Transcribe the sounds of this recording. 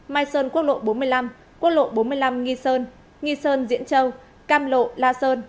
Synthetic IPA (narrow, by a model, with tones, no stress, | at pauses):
maː˧jsəː˧nku˦˥ək̚lo̰˧˨ɓo˨˦nmɨ˧əjla˧m | ku˦˥ək̚lo̰˧˨ɓo˨˦nmɨ˧əjla˧mŋi˧səː˧n | ŋi˧səː˧nzḭ˧˥ənt͡ɕə˧w | kaː˧mlo̰˧˨laː˧səː˧n